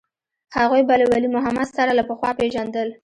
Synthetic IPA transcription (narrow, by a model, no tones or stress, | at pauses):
haɣujbalawalimʊɦamad̪saɾalapəxwɑpeʒand̪əl